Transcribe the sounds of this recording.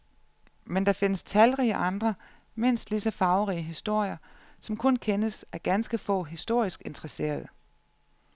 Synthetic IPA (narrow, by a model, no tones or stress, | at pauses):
mend̥ɑ̈fe̝nəst͡sʰælʁiːəʔɑ̈nd̥ʁɐ | me̝n̰sd̥lisɒfɑ̈ʊʁiəɦisd̥o̝ɐ̰jɐsɒ̽mkʰɔ̽nkʰenəsæɐɡ̥ænsɡ̥əfɔ̰̽ɦisd̥o̝ɐ̰isɡ̥e̝nt͡sʁɐse̝̰ːɐð̞̩ˠ